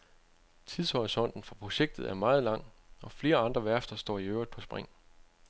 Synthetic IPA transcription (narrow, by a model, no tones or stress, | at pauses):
t͡sʰiðˠsɒʁisɒ̽n̰d̥n̩fɒpʰʁo̝ɕeɡ̥̚d̥ð̩ˠæɐmɑ̈ːð̞̩ˠlɑ̈ŋ̰ | ɒ̽fle̝ːɐɑ̈nd̥ʁɐʋæɐsd̥ɐsd̥ɒ̰ːiøʊɐd̥̚pʰɒ̽sb̥ʁaŋ̰